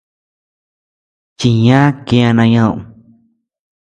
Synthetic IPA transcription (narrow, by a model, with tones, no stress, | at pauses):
t͡ʃi˨ɲãː˦kjã˧nã˧ɲə̃˧˨ʔ